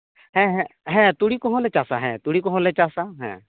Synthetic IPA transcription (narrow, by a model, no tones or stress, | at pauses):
hɛ̃ɦɛ̃ɦɛ̃t̪uɽikɔɦɔ̃lɛt͡ʃasaɦɛ̰̃t̪uɽikɔɦɔ̃lɛt͡ʃasaɦɛ̰̃